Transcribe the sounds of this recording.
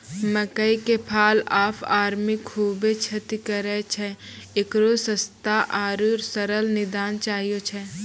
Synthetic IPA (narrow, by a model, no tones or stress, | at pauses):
məkəikepʰaːlaːpʰaːɾmɪkʰːuːbet͡ʃʰɐt̪ikəɾɛt͡ʃʰɛɪkɾosəst̪aʔaːɾuɾsəɾəlnɪd̪aːnt͡ʃaːɦijot͡ʃʰɛ